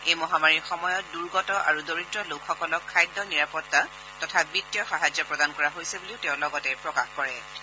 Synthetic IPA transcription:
ejmɔɦamaɹiɹxɔmɔjɔt̚duɹɡɔtɔʔaɹudoɹitɹɔlokʰxɔkɔlɔkʰːajdːɔniɹapɔtːa | tɔtʰabitːijɔxaɦad͡ʒjɔpɹɔdankɔɹaɦojseboliʊtɛʊ̃lɔɡɔtɛpɹɔkaxkɔɹɛ

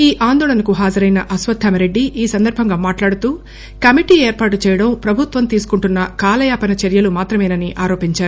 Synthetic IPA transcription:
iːʔaːnd̪ɔːɭɐnɐkuɦaːd͡ʒɐɾɐjnɐʔɐsʋɐd̪ʰʱɐmɐɾe̞ɖːiʔiːsɐnd̪ɐɾbʱɐŋɡaːmaːʈlaːɽut̪uː | kɐmiʈiːeːɾpaːʈut͡ʃɛːjɐɽɐmpɾɐbʱut̪ʋɐmt̪iːsu̥kuɳʈunːɐkaːlɐjaːpɐnɐt͡ʃeɾjɐlumaːt̪ɾɐmɐjnɐniʔaːɾo̞ːpiɲt͡ʃaːɾuu

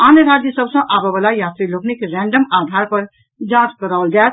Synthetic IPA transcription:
anəɾad͡ʒjəsəbsə̃ʔabebalajat̪ɾiloknikɾɛ̃ɳɖəmad̪ʱaɾpəɾ | d͡ʒãt͡ʃkəɾaʊld͡ʒal

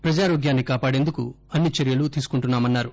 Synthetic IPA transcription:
pɾɐd͡ʒaːɾoːɡjaːnːikaːpaːɽe̞nd̪ukṵ | ɐnːit͡ʃɐɾijɐlut̪iːsu̥kuɳʈunːaːmɐnːaːɾu

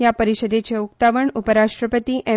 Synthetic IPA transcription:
japəɾiɕəd̪et͡ɕeuk̚t̪aʋəɳupəɾaʂʈɾəpət̪iʔe

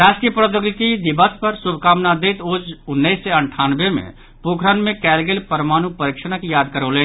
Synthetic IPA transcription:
ɾaːʃʈiəpɾət̪joɡt̪id̪ɪbəspəɾsubʱkaːmnad̪eːt̪oːd͡ʒʊnːəsːeəɳʈʰaːnbemḛ̃ | poːkʰɾənmẽkɛːlɡelpəɾmaːnupəɾiːkʃənakijaːd̪̚kəɾoːle

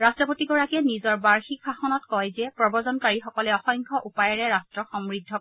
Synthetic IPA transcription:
ɹastɹɔpotiɡɔɹakɛnizɔɹbaɹxikxaxɔnɔtkɔjzɛpɹɔbɔzɔnkaɹixɔkɔlɛɔxɔjŋkʰɔʔupajɔɹɛɹastɹɔxɔmɹidʱːɔ

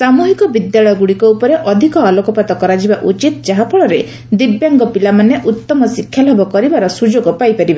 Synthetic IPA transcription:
samuɦikɔbid̪jaɭɔjɔɡuɽikɔupɔɾeʔɔd̪ʱikɔalɔkɔpat̪ɔkɔɾad͡ʒibaʔut͡ʃit̪d͡ʒaɦapʰɔɭɔɾe | d̪ibjaŋɡɔpilamaneʔut̪ːɔmɔsikʰːjalɔbɔkɔɾibaɾɔsud͡ʒoɡɔpajpaɾiba

